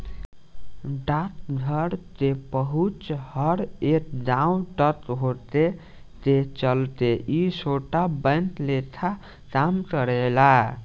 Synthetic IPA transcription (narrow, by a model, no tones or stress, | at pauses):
ɖat̪̚d̪ʱəɾt̪ebəɦut͡ʃhəɾekɖãũʈət̪ɦot̪e | t̪et͡ʃəlt̪eisoʈabə̃nt̪let̪ʰa | kamkəɾela